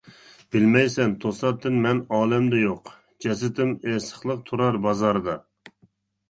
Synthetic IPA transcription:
b̥ɪlmɛjsɛnt̪ʰosɑp̚t̪ːɪnmɛnɑːlˠɛmd̪ɛjoq | d͡ʒɛs̬ɪt̪ɪmɛsə̥χlˠəq̚t̪ʰuɾɑɾbɑzɑɾɨd̪ɑ

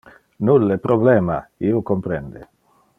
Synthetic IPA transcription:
nulːepɾobleːmaiokompɾend̪e

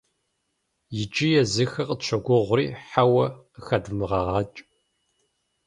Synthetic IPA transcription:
jɪd͡ʒʼijɛzɨxɐqəɕʷʰɐɡʷʊʁʷʊriːħawɐ | xɐdmɨʁɐʁɑːt͡ʃʼ

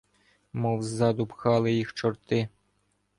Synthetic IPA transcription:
mɔwzɑd̪ʊpxɑlˠɪjixt͡ʃɔɾt̪ɪ

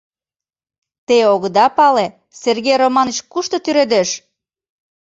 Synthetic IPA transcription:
t̪eoɣəd̪ɑpɑle | serɣejromɑnət͡ɕkuʃt̪ŏt̪yɾed̪eʃ

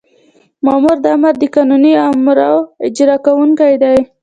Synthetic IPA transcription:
mɑmuɾd̪əamaɾd̪əkɑnuniamɾawɪd͡ʒɾɑkawuŋkajd̪aj

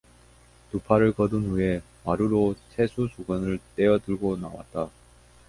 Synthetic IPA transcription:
tupʰaɾɯɭkʌdɯnɸue̞ | maɾuɾosʰe̞sʰusuɡʌnɯɭt͈e̞ʌdɯɭɡonawa̰t̚t͈a

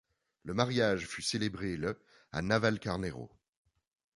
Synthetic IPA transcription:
ləmaʁjaʒfyselebʁelə | a̰navalkaʁneʁo̰

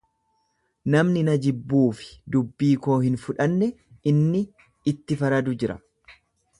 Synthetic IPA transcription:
nɐmnɪnɐd͡ʒɪbːuːfɪ̥d̪ʊbːiːko̞ːhɪnfʊᶑɐnːɛ | ɪnːɪː | t̪ːɪfɐɾɐd̪ʊd͡ʒɪɾɐ̰

